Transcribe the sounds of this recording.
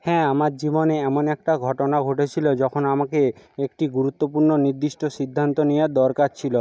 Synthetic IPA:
hɛ̃amaɾd͡ʑiboneɛmonɛk̚ʈaɡʱɔʈonaɡʱoʈet͡ɕʰilod͡ʒɔkʰonamakeekʈiɡuɾut̪ːopuɾnoniɾd̪iʃʈosid̪ʱːant̪onijad̪ɔɾkaɾt͡ɕʰilo

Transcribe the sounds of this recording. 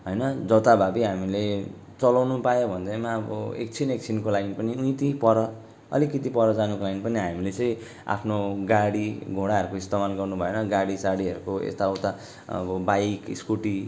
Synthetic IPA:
ɦʌjnʌd͡zʌt̪abʱabiɦamile | t͡sʌlawnupajobʱʌnd̪ʌmaʌbʌ̰ḛk̚t͡sʰinek̚t͡sʰinkolaiinpʌniuit̪ipʌɾʌ | ʌ̰likʌt̪ipʌɾʌd͡zanukolajnpʌniɦamilet͡sʌj̃ | a̰pʰnoɡaɽiɡʱoɽaɦʌɾukoist̪amalɡʌrnubʱʌjenʌɡaɽisaɽiɦʌɾukoḛst̪aʌwt̪a | ʌ̰bʌbajkiskuʈi

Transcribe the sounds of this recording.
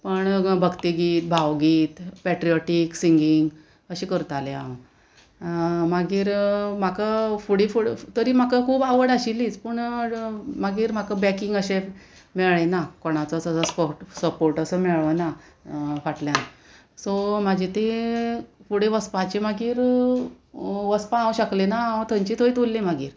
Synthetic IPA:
pəɳbʱəɡt̪iɡiːt̪̚bʱawɡiːt̪pɛʈɾijɔʈiksiŋɡiŋɡ | əɕiːkəɾut̪alja | maɡiːɾmakafuɽifuɽt̪əɾiːm̤akəkʰuːbaʋəɽaɕiliːt͡spəɳ | maɡiːɾm̤akabɛkiŋɡəɕe | mɛɭenakoɽ̃at͡sɔt͡səəspoɾʈsəpoɾʈəsəmɛɭəna | faʈljan | somad͡ʑit̪e | fuɽeʋəspat͡ɕemaɡiːɾ | ʋəspããwɕəklenaaə̃t̪ʰə̃ɲt͡ɕiːt̪ʰojt̪ulːemaɡḭːɾ

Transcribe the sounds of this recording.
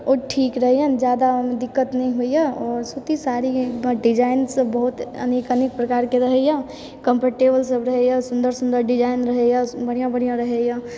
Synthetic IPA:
oʈʰiːkɾəɦɛjand͡ʒjaːd̪amed̪ɪkːət̪nəɦĩɦuijaɔːɾsut̪isaːɾiɖid͡ʒaːɪnsəbːəɦut̪ə̰neːkəneːk̚pɾəkaːɾkeɾəɦɛja | kə̃mpəɾʈeːbəlsəbɾəɦɛjãsʊ̃nd̪əɾsʊ̃nd̪əɾɖɪd͡ʒaːɪnɾəɦɛjãbəɽ̤ijãbəɽ̤ijãɾəɦejã

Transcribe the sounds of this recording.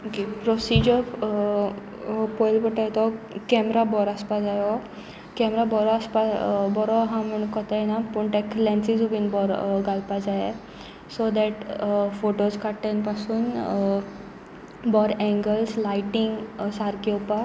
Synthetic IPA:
kepɾɔsid͡ʑɔ | pɔjlpəʈajet̪ɔkɛmɾabɔɾaspad͡zajɔ | kɛmɾabɔɾɔaspabɔɾɔɦãm̤əɳ̃kɔt̪ajenapəɳʈ̪eklɛ̃nsid͡zubinbɔɾɡalpad͡zaje | sod̪ɛʈfoʈoskʰaʈːanpasuːn | bɔɾɛ̃ŋɡəlslajʈiŋɡsaɾkopa

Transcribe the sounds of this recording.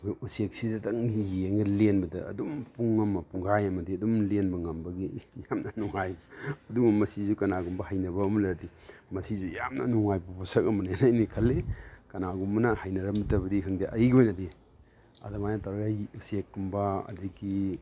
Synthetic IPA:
usek̚sidɐdɐŋijeŋɡɐlenbɐdɐɐ̰dumpuŋːɐmːɐpuŋɡajɐmɐdiɐdumlenbɐŋɐmbɐɡijamnɐnuŋajɐdumɐmɐsizukɐnaɡumbɐhajnɐbɐːmɐlɐɾdi | mɐsizujamnɐ̰nuŋajbupʰɔsɐkɐmɐnajanajnikʰɐlːekɐnaɡumbɐnɐhajnɐɾɐmbitɐbɐdikʰɐŋdiʔɐjɡojnɐdi | ɐ̰dɐmajnɐtaɾɡajusek̚ːumbɐɐ̰diɡi

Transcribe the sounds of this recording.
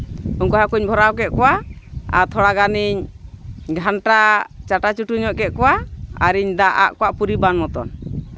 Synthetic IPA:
unkɔɦakuɲbʱɔɾawkɛʔ̚kɔwaa̰t̪ʰɔɽaɡaniɲ | ɡʱanʈat͡ʃaʈat͡ʃuʈuɲɔʔkɛʔ̪̚kɔwaa̰ɾiɲd̪aʔa̰ʔkɔwaʔpuɾibanmɔt̪ɔ̰n

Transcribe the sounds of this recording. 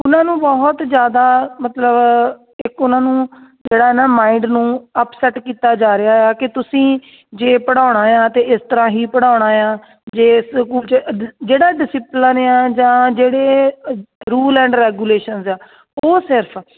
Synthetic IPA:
ʊnãːnũːbɔɦt̪d͡ʒjaːd̪aːmət̪ləb | ɪkʊnãːnũːd͡ʒeːɽaːɦɛnaːmaːiɳɖnũːəpsɛːʈkiːt̪aːd͡ʒaːɾɪaːaːkɪt̪ʊsĩː | d͡ʒeːpəɽaːʊɽ̃aːjãːt̪eːɪst̪əɾãːɦiːpəɽaːʊɽ̃aːjãː | d͡ʒeːskuːlt͡ʃd͡ʒeːɽaːɖɪsɪplənãːd͡ʒãːd͡ʒeːɽeː | ɾuːlɛ̃ːɳɖɾɛːɡuːleːʃənzaː | oːsɪɾpʰ

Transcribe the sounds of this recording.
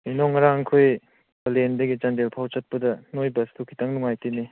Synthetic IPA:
inɔŋːɐɾaŋkʰoj | bɐlendɐɡit͡ʃandelpʰawt͡ʃat̚pɐdɐnojbɐstokʰitaŋnuŋajtini

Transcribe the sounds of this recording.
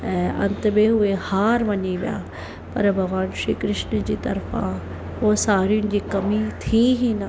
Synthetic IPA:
ɛɐ̃nt̪beɦʊehaːɾʋɐɲiʋɪja̰ː | pɐɾbʱɐɡʋaːnʃɾiːkɾɪʃnəd͡ʑiːt̪ɐɾfʰã̰ | osaːɾiʊnɪ̆d͡ʑiːkɐmit̪ʰiɦiːnɐ

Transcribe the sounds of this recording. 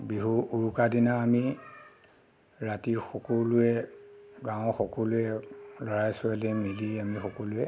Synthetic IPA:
biɦuuɹukadinaːmi | ɹatiɹxɔkɔlʊjɛɡãw̃ɔxɔkɔlʊjɛlɔɹajsʊalɛmiliamixɔkɔlʊjɛ

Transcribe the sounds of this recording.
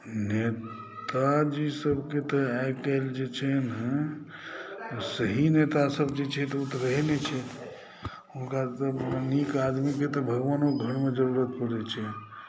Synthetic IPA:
ne | t̪ad͡ʒisəbket̪əaekɛld͡ʒet͡ʃʰɛnə | səɦinet̪asəbd͡ʒet͡ʃʰɛt̪ɔut̪ɾəɦnet͡ʃʰɛ | ɦunkat̪əənikad̪miket̪ɔbʱəɡʋanoɡʱəɽmed͡ʒəɾuɾət̪̚pəɽɛt͡ʃʰɛ

